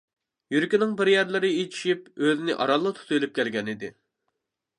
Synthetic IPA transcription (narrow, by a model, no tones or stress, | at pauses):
jyɾykʲinɪŋbɪɾjæɾlɪɾɪet͡ʃʰi̥ʃipøzɪnɪʔɑ̰ɾɑlˠːɑt̪ʰu̥t̪ʰujlyp̚kʲʰɛlɡʲɛnɪd̪ɪ